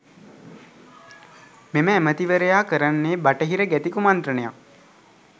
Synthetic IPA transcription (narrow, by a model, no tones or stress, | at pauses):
meməæmət̪iʋəɾəjaːkəɾanːeːbaʈəɦiɾəɡæt̪ikumant̪ɾənəjak̚